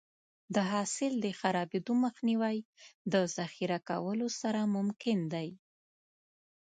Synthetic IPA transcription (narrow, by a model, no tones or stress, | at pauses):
d̪əɦɑsɪld̪əxaɾɑbed̪oməxniwajd̪əzaxiɾaka̰wəlosaɾamʊmkɪnd̪aj